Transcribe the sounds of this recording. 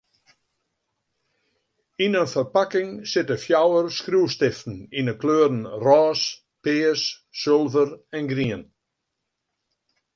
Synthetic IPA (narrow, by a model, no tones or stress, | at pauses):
inənfərpakɪŋsɪtəfjawərskruːstɪftn̩inəkløːɾn̩rɔːs | pɪːəsː | ølˠvəɾɛnɡriən